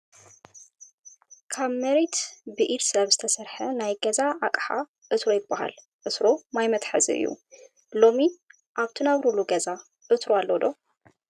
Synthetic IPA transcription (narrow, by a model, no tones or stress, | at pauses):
kʰaβmɐɾet̪bɨʔiɾsɐβzɨt̪ʰɐsɐɾħɐnajɡɐzaʔakʼħa̰ | ʔɨt̪ɾojɪbːaɦa̰l | ʔɨt̪ɾomajmɐt̪ħa̰zḭɨ̰jːṵ | lo̞mi | ʔaβt̪ʰinaβɾuluɡɐza | ʔɨt̪ʰɾoalːod̪o̞